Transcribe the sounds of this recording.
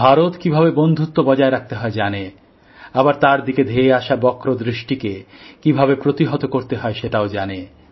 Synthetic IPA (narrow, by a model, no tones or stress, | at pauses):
bʱaɾot̪kibʱabebond̪ʱut̪ːobɔd͡ʑaeɾak̚ʰt̪eɦɔed͡ʑane | abaɾt̪aɾd̪iked̪ʱeeaʃabɔkɾod̪ɾiʃʈikekibʱaβepɾot̪iɦot̪okoɾt̪eɦɔeʃeʈaod͡ʑane